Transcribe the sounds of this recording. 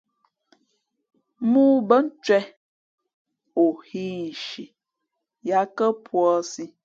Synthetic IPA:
mu˦bə˦n̩˦t͡ʃwɛ˦ | o˨hi˦n̩˨ʃi˨ | ja˨˦kə˦pʰwɔ˦si˦

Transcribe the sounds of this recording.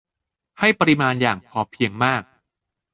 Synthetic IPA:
ha˥˩jpa˧ɾi˧maː˧njaː˨˩ŋpʰɔː˧pʰi˧əŋmaː˥˩k̚

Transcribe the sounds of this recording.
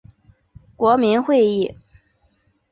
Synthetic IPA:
kwɔ˧˥mi˧˥nxwe˥˧ɪi˥˩

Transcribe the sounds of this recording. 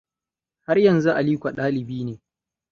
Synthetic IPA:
ha˦rjɐ˨nzu˦ʔa˨liː˦kʷa˨ɗaː˦lɪ˨biː˦neː˨

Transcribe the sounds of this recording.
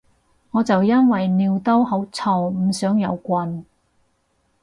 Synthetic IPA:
ŋɔː˨˧t͡sɐ˨wjɐ˥nwɐ˨jniː˧wt̪ɐ˥whɐ˨˥wt͡sʰɔː˧˩wm̩˨˧sœː˨˥ŋjɐ˨˧wkʷɐ˧n

